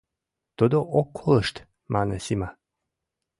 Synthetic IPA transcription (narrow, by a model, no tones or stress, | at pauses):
t̪od̪oʔokʰolˠəʃt̪ | mʔanɛsima